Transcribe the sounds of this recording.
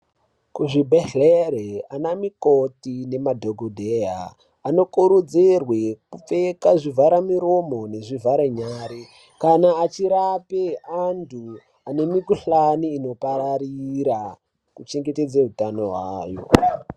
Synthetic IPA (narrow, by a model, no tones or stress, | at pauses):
kuʐibʱeɬeɾeanamikotine̞madʱoɡʱodʱeja̰ː | no̞kuɾud͡zirwekup͡fekaʐivʱaɾamiɾo̞mo̞ne̞ʐivʱaɾeɲaːɾi | kanaːt͡ʃiɾapeandʱu | ane̞mikuɬaniːno̞paɾaɾiɾa | kut͡ʃe̞ŋɡe̞te̞d͡zeɦutanoɦwaːjo̰